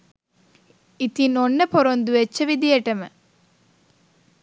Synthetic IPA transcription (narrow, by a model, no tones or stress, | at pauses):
it̪inonːəpoɾond̪uʋet͡ʃːɐʋid̪ijɐʈɐmə̰